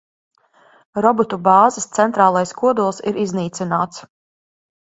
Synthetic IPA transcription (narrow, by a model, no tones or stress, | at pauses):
ɾɔbɔt̪ubɑːzɐst̪sɛnt̪ɾaːlˠajskuɔd̪ulˠsiɾizniːt̪sinaːt̪s